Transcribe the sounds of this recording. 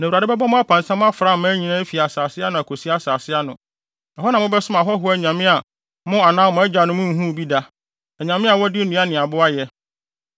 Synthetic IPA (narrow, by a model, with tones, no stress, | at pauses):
nã˨wa˨da˦bɛ˦ba˦mʊ̃˦a˦pʰã˨nsã˦mʊ̃˦a˦fɾa˦˨mã˦ɲĩ˨nã˦fi˨a˨saː˨sɪ˦a˦nʊ̃˨æ˨kʰo˨si˦a˦saː˨sɪ˦a˦nʊ̃˨ | na˨ɦɔ˦nã˨mʊ̃˦bɛ˦sʊ˦ma˨ɦɔ˦ɦʊ˦æ˨ɲã˨mɪ̃˦a˨ | mʊ̃˦a˨nãː˦mʊ̃˨˦æ˦d͡ʑa˨nʊ̃˦mʊ̃˦˨ɦũ˦˨bi˦da˦ | æ˨ɲã˨mɪ̃˦a˨wɔ˦dɪ˦nũ˨˦a˦nɪ̃˨a˨bʊ˦a˦jɛ˦